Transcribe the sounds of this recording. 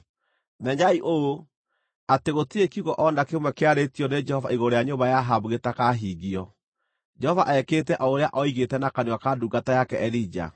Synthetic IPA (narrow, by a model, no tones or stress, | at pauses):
nɛɲaiʔoo | ateɣotiekiuɣɔʔɔndakemwɛkeaɾetiɔned͡ʒɛhɔvaiɣoɾejaɲoβajaɦabuɣetakaɦiɣiɔ | d͡ʒɛhɔvaʔɛketɛʔɔoɾeaʔɔiɣetɛnakaniwakaduːɡatajakɛʔɛlid͡ʒa̰